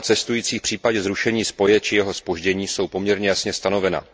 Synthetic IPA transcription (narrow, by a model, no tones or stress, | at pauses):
t͡sɛst̪ujiːt͡siːfpr̥iːpaɟɛzɾuʃɛɲiːspo̞jɛt͡ʃɪjɛɦo̞spo̞ʒɟɛɲiːso̞wpo̞mɲɛɾɲɛjasɲɛst̪ano̞vɛna̰